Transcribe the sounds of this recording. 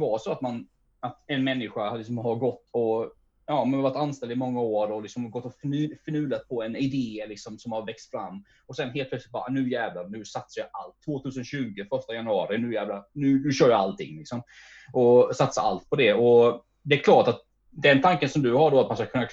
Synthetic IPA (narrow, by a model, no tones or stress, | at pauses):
vɑʂɔat̪man | at̪ɛnmɛnːɪɧahad̪lɪks̬ɔmɦaɾɡɔt̪ːɔ | jɑːmanaɾvaʈːt̪ːanst̪ɛld̪ɪmɔŋːaoːɾɖɔlɪksɔmɡɔt̪ːɔffœnʉ̟ːd̪at̪̚pʰɔɛnɪd̪eːlɪksɔmsɔmhaɾvɛkst̪fɾa̰mː | ɔsɛnɦeːlt̪̚ʰlœɛslɪt̪̚bɑːɾanʉ̟ːjæːvlanʉ̟ːsat̪sajaalt̪ʰːvoːt̪ʰʉːs̬ənɕʉ̟ːɡəfœʂtajanɵɑːɾɪnʉːjæːvlanʉ̟ːnʉɕœːɾjaa̰lt̪ʰɪ̰ŋːlɪksɔm | ʔɔsat̪sa̰a̰lt̪̚pʰɔd̪ɛɔ | d̪ɛːɾkʰlɑːʈat̪̚ | d̪ɛnt̪ʰaŋkənsɔmd̪ɵhaɖoat̪manskakʰɵnːak